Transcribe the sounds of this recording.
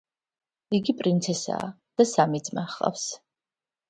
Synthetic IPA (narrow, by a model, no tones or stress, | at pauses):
iɡipʼɾint̪sʰɛsa̰ː | d̪̥asamid̪zʼmaχla̰fs